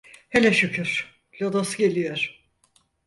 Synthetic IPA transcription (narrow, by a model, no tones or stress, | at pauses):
helʲɛʃycʰyɾ̥ | lʲod̪osɟe̞lʲijoɾ̥